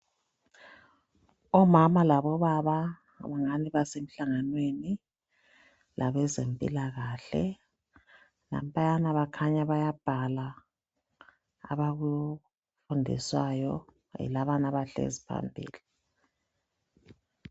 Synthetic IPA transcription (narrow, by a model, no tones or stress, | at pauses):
ɔmamalaβɔβaβa | βaŋaniβasem̩ɬaŋanweni | laβɛzempʼḭlaɣaɬɛ̰ | na̰m̩pʼajanaβakʰaɲaβajab̥ʱala | βaɣuj | fundʱḭswajɔ | ɛ̰laβanaβaɬḛzipʰa̰mbʱḭːli